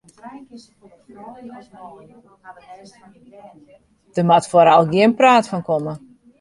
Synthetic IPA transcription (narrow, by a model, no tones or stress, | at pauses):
d̥əmatfoɾalˠɡjɪənpraːtfɔnkomə